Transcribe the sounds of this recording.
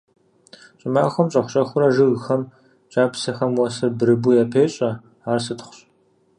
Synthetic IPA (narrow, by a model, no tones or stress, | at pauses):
ɕʼɪmaːxʷɔmɕʼɐxʷɕʼɐxʷʊɾɐʒɨɣxɐm | t͡ʃʼaːpsɐxɐmwɐsɨrbɨɾɨbujapʰeːɕʼɐ | aːrsɨtχʷʊ̥ɕʼ